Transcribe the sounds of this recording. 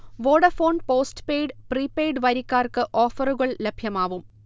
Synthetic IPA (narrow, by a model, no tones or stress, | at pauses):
ʋoːɽɐfo̞ːnpo̞ːstpeːjɖpriːpːeːjɖʋɐɾikʲːaːrkɨʔoːfɐruɣɐɭlebʱjɐmaːʋum